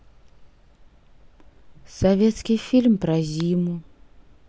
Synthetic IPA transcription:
sɔvetskʲifilʲmpraziːmu

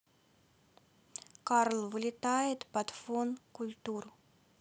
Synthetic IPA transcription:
karlˠvɨlʲɪt̪ajɪt̪pɐt̪fonkʊlʲt̪ur

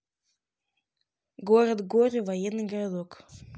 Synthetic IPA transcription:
ɡoɾəd̪ɡoɾʲɪvɐjenːɨjɡəɾad̪ok

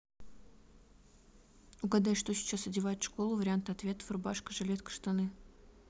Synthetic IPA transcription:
ʊɡɐd̪ajʂt̪osʲɪ̥t͡ɕasɐdʲɪvajt̪ʂkolˠʊvəɾʲɪant̪ɨɐt̪vʲet̪ə̥vrba̰ʂkəʐɨlʲejt̪kə̥ʂt̪ɐnɨ

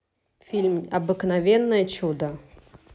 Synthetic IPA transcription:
fʲilʲmɐbɨknɐvʲenːəjət͡ɕud̪ə

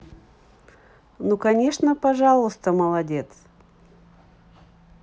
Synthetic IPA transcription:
nukɐnʲeʂnəpɐʐalˠʊst̪əməlˠɐdʲe̞t̪s

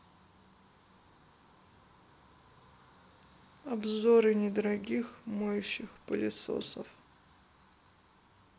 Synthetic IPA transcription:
ɐbzoɾɨnʲɪd̪əɾɐɡʲixmojʊɕːɪxpəlʲɪso̰sə̰f

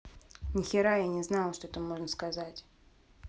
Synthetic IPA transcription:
nʲɪxʲɪɾajanʲɪznɑlˠʂt̪oɛt̪əmːo̞ʐnəskɐzatʲ

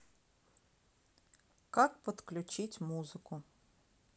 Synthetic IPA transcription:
kak̚pɔt̪klʲʊt͡ʃɪtʲmuzɨkʊ

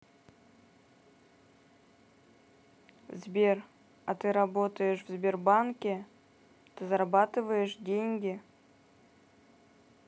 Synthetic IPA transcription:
zbʲer | at̪ɨɾabot̪əjɪʂvzʲbʲerbankʲe | t̪ɨzɐɾabat̪ɨvəjɪʂdʲeŋʲɡʲɪ

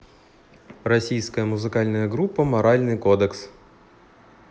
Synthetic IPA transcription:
rɐsʲijskəjəmʊzɨkalʲnəjəɡɾupːəmɐɾalʲnɨjkod̪əks

